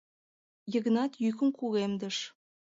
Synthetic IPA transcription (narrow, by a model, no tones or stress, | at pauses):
jə̆ɣənɑt̪jykə̆mkuɣemd̪ə̆ʃ